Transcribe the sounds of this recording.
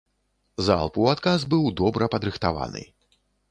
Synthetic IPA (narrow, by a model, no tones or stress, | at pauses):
za̰lˠpuat̪kazbɨwd̪ɔbɾʔɐpɐd̪ɾɨxt̪ava̰nɨ̰